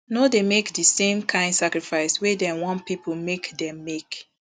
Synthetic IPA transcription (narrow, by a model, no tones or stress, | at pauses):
nodemekdəsẽmkʰãɪ̃ndsakɹifaɪswedɛ̃nwɔ̃npipolmekdɛ̃mːek